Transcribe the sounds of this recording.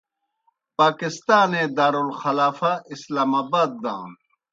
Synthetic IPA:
paːkist̪aːnẽːd̪aːɾulxɐlaːfaʔislaːmaːbaːd̪̚ːã̰ː

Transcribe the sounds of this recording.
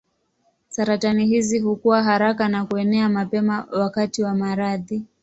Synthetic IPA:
saɾatanihiziɦukuwaɦaɾakanakuɛnɛamapɛmawakatiwamaɾaði

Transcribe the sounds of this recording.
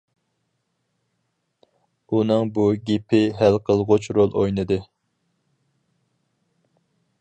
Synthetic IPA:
unɨŋbuɡʲepʰɪɦælqʰəlˠʁot͡ʃɾolˠojnɨd̪ɨ

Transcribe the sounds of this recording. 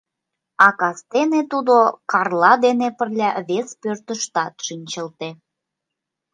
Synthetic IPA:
ɑkɑst̪enet̪ud̪okɑrlɑd̪enepə̆rlʲæβespørt̪əʃt̪ɑt̪ʃinʲt͡ɕəlt̪e

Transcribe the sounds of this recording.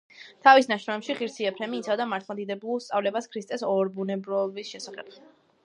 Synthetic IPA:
t̪ʰavisnaʃɾɔɛpʃiʁiɾsʰiɛpʰɾɛmiːt̪sʰavd̪amaɾt̪ʰlˠad̪id̪ɛblulˠst̪sʼavlɛbaskʰɾist̪ʼɛsɔɾbunɛbɾɔbisʃɛsaχɛ̰b̚

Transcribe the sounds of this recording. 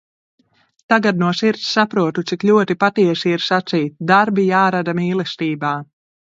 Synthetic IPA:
t̪aɡad̪nuɔsiɾt̪sːapɾuɔt̪ut̪sikʎʲuɔt̪ipat̪iɛsiiɾsat̪siːt̪̚d̪aɾbijaːɾad̪amiːlˠɛst̪iːbaː

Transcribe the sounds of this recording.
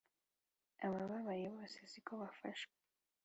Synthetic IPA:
a̰maβaβajiβɔsezikɔβafaʃka

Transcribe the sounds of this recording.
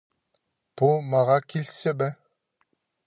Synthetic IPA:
b̥umɑʁɑkilʲsɘbɛ

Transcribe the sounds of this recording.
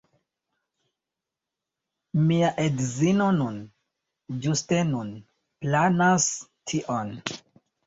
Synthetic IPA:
miaʔedzino̞nun | d͡ʒuste̞nun | planastʰiʔon

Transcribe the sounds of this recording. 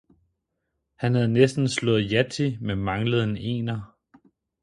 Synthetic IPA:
hænhæð̞̩ˠnesd̥n̩slɔ̽ð̩ˠjæt͡sʰimemɑ̈ŋləð̩ˠene̝̰ːnɐ

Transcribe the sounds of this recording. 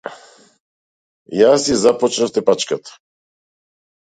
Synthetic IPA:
jasizapɔt͡ʃnaft̪ɛpat͡ʃkat̪ḁ

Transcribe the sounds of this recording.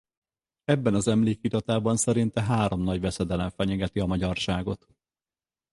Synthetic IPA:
ɛbːɛnɒzɛmleːkit̪ɒt̪aːbɒnsɛɾint̪ɛɦaːɾo̞mnɒɟvɛsɛd̪ɛlɛɱfɛɲɛɡɛt̪iɒmɒɟɒrʃaːɡo̞t̪

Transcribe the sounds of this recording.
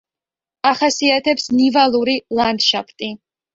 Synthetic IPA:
aχasiat̪ʰɛpsnivalˠuɾilˠand̪ʃapʰt̪ʼi

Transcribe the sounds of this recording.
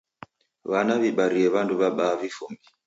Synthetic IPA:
βanaβiɓaɾiɛβanduβaɓaːvifumbi

